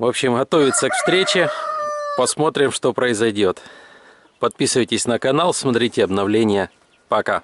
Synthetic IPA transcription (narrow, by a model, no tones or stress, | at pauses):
vo̞pɕɪmɣɐt̪o̞vʲɪt̪səkfst̪ɾʲet͡ɕɪpɐsmo̞t̪ɾʲɪmʂt̪o̞pɾəɪzɐjdʲo̞t̪ | pɐt̪̚pʲisɨvəjtʲɪsʲnəkɐnalˠsmɐt̪ɾʲitʲɪɐbnɐvlʲenʲɪjə | pɐka̰